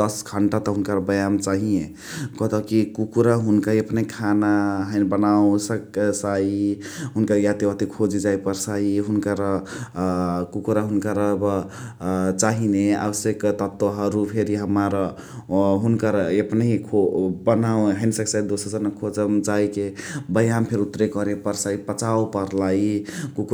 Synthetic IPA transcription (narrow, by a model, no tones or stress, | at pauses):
d̪əsɡʱəɳʈat̪ɔɦunkaɾbəjamt͡ʃaɦije | kɔt̪ɔkikukuɾaɦunkaepneikʰanaɦənbənaõsəksaiɦunkəɾjat̪iat̪ikʰod͡ʒid͡ʒajpəɾsaiɦunkaɾə | kukuɾaɦunkaɾəb | t͡ʃaɦinea̰bəsjekt̪ət̪ːoɦəɾupʰeɾiɦəmaɾ | ɦunkəɾepneikʰobənawɦənsəksajd̪osəɾd͡zənakʰod͡ʒəmd͡ʒaikebəjampʰeɾut̪ɾekʌɾepəɾsaipət͡ʃawpəɾlaikuk